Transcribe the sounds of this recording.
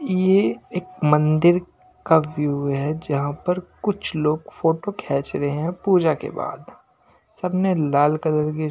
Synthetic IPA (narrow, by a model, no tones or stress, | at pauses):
jeeːkmɐ̃nd̪ɪɾ | kaʋjuːɦɛd͡ʒɐɦãpɐɾkʊt͡ʃʰloːɡfoːʈokʰɛːt͡ʃɾɐɦeɦɛ̃puːd͡ʒakḛba̰ːd̪ | sɐbnelaːlkɐd̪əɾke